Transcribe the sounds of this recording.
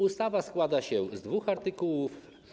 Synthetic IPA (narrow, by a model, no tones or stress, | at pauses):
ust̪avaskwad̪aɕɛzd̪vuxaɾt̪ɨkuwuf